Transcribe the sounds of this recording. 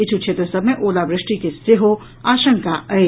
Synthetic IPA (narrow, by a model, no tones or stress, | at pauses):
ɪt͡ʃʰut͡ʃʰeːt̪ɾəsɐbmẽʔoːlabɾɪʂʈikesɪɦo | aːʃə̃ŋkaʔɐe